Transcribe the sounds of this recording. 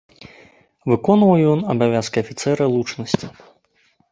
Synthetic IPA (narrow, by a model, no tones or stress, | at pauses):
vɨkɔnvɐwjɔnɐbavʲaskɐːfʲit̪sɛɾɐlˠut͡ʂnɐsʲt͡sʲi